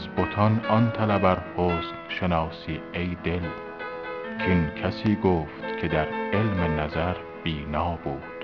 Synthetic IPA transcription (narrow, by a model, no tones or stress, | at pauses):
zbot̪ʰɒnɒnt̪ʰælæbæɾhoːst̪ʃe̞nɒːsiːejd̪e̞l | t͡ʃʰinkʰæsiːɡoːft̪kʲʰe̞d̪æɾe̞lmenæzæɾ | b̥iːnɒːbuːd̪̥